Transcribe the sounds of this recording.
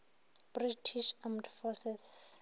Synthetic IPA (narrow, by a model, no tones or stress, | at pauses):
b̥ritʰiʃamdfɔsɛs